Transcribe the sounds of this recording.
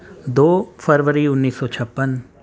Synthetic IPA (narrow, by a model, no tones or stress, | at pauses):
d̪oːpʰəɾʋəɾiʊnːiːsːɔːt͡ʃʰɐpːən